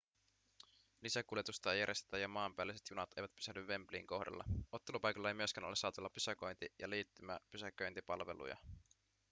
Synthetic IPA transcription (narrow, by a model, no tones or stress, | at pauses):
lisækuljet̪ust̪ɑejæɾje̞st̪e̥t̪æjɑmɑːmpæːlːˑise̞t̪junɑt̪e̞̰jʋæt̪py̥sænːyʋːe̞mplḭːŋko̞hdɑ̰lːɑ̰o̞t̪ːe̞lupɑjkolːɑe̞jmyø̞skæːnolesɑːt̪elːɑpysæko̞jnt̪ijɑliːt̪ːymæ̰pysækøjnt̪ipɑlʋe̞̰lṵjɑ̰